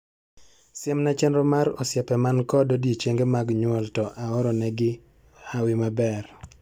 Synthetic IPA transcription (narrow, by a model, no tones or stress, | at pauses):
sɪɛmnat͡ʃɛnɾɔmaɾɔ̰sjɛpɛmankɔdodjet͡ʃeŋɡemaɡɲwɔltɔʔaɔɾɔnɛɡɪ | awɪmabɛr